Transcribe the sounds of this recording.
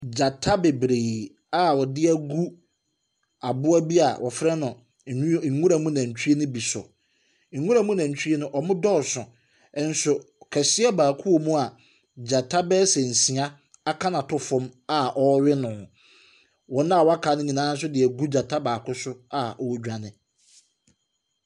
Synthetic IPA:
d͡ʑa˨tʰa˦be˨bɾe˨ | a˦wɔ˨dɪ˦æ˨ɡu˦ | a˨bʊ˦a˦bi˦a̰˨wʔɔ˨fɾɛ˦nʊ̃˨˦ | ŋ̩˨ŋũ˦ɾa˨mũ˦nã˨ɲ̩˨t͡ɕᶣʰu˦e˦nʊ̃˦bi˨sʊ̰˨ | ŋ̩˨ŋũ˦ɾa˨mũ˦nã˨ɲ˨t͡ɕʰᶣe˦nʊ̃˦ʔɔ˨mʊ̃˦dɔ˦˨sʊ̃˨ | ɛ˦n̩˦sʊ˨ | kʰɛ˨sɪ˦ɛ˦baː˨kʰʊ˦wo˨mũ˦a˨ | d͡ʑa˨tʰa˦bɛ˦sɛ˨n̩˨si˨a˦ | a˦kʰã˦nã˨tʊ˦fʊ̃˦ma˦˨ʔɔ˦ɥɪ˦nʊ̃˨ | wɔ̃˨nã˦˨wɔ˦a˦kʰa˨˦nɪ̃˦nĩ˨nãː˦n̩˦s̬ʊ˦dɪ˨æ˨ɡu˦d͡ʑa˨tʰa˦baː˨kʰʊ˦sʊ˦a˨ɔ˨wɔ˦d͡ʑᶣa˨nɪ̃˨

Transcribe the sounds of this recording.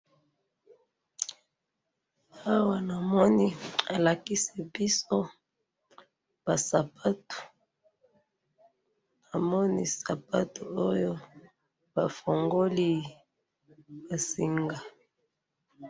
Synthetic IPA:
a˦wa˨na˨mɔ˦ni˦a˨la˨ki˦si˨bi˦so˦ | b̥a˨sa˨pʰa˦tu̥˨ | na˨mɔ˦ni˦sa˨pa˦tu˨o˦jo˦ | b̥a˨fo˨ŋɡo˦li˦ | ba˨si˦ŋɡa˨

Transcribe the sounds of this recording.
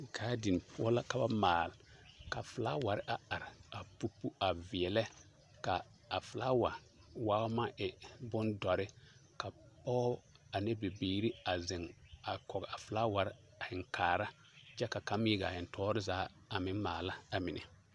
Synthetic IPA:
kʰaː˨˦di˨n˨pʰʊ˦ɔ˦la˦ka˨ba̰˦maː˨lka˨fʊ˨la̰˦wa˨ɾɪ˦ʔa˨a˨ɾɪ˨a˨pu˦pu˦a˨vɪ˨ɛ˨lɛ˦ | kaː˨ | fʊ˨la˦wa˨ | waː˦ma˦ʔɪ˨bʊ˦ndɔ˨ɾɪ˦ka˨pɔ˦a˨nɛ˦be˨beː˨˦ɾi˦a˨zɪ˨ŋa˨kɔ˨ɡɛ˨a˨fʊ˨la˦wa˨ɾɪ˦ | a˨ɪ˨ŋkaː˨ɾa˦ | t͡ʃɛ˦ka˨ka˦m˦i˦ɡa˨ɪ˨n˨tʰɔː˦ɾɪ˦zaː˨˦ | a˨mɪ˦maː˨la˦a˨mɪ˨nʔɪ̰˨

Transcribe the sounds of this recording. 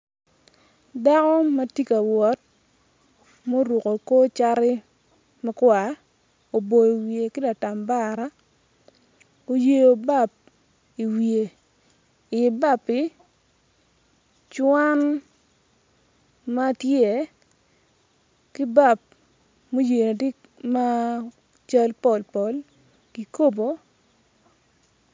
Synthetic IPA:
da˦kɔ˦ma˦ti˦ka˨wɔ˨˦t̚ | mo˦ɾu˨ko˨ko˦t͡ʃa˦ɾɪ˦ | ma˦kwa˨ | o˨bo˨i˨wje˨kɪ˦da˨ta˨mba˦ɾa˦ | o˨je˦jo˨ba˦˨p̚ | i˨wie˨ | ɪ˨ba˦pɪ˨ | t͡ʃwa˦n | ma˦tje˨ | kɪ˦ba˦˨p̚ | mo˦je˨na˨di˦ | ma˦ | t͡ʃa˦lpɔ˨lpɔ˨˦l | ki˨ko˦bo˨˦

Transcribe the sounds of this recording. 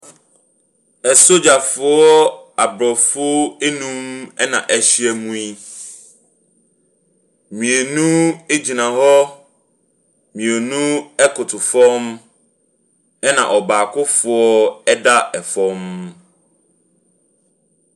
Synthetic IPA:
ɛ˨so˦d͡ʑa˨fʊ˨ɔ˦a˨bɾɔ˨fʊ˦ɔ˦e˦nũ˦mɛ˦nã̰˨ʔɛ˨ɕi˦ɛ˨mũ˦i˦ | mĩ˨e˨nũ˦e˦d͡ʑi˨nã˨ɦɔ˦ | mĩ˨e˨nũ˦ɛ˦kʰʊ˨tʰʊ˨fɔ̃˦m | ɛ˦nã̰˨ʔɔ˨baː˨kʰʊ˦fʊ˨ɔ˦ɛ˦da˦ɛ˨fɔ̃˦m

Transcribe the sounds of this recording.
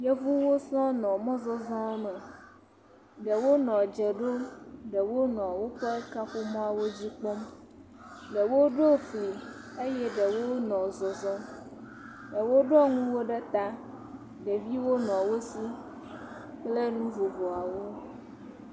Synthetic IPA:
je˦vu˦wo˦sɔ̃˦nɔ̃˨mɔ̃˦zɔ˦zɔ̃˦ɛ˦mɛ̃˨ | ɖɛ˨wo˦nɔ̃˨d͡ʒɛ˨ɖo˦ɖɛ˨wo˦nɔ̃˨wo˦ɸe˦ka˦ɸu˦mɔ̃˦a˨wo˦d͡ʑi˦k͡pɔ˦m | ɖɛ˨wo˦ɖo˦fli˨ | e˦jɛ˦ɖɛ˨wo˦nɔ̃˨zɔ˨zɔ˦ | ɖɛ˨wo˦ɖɔ˦ŋũ˦wo˦ɖɛ˦t̪a˦ | ɖɛ˨vi˦wo˦nɔ̃˨wo˦si˦ | k͡ple˦nũ˦vo˨vɔ˨a˨wo˦

